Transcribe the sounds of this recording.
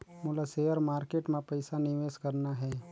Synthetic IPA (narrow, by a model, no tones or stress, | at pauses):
mʊlaseːjəɾmaːɾkeːʈmẽpɐɪsanɪʋeːskɐɾnaɦɛː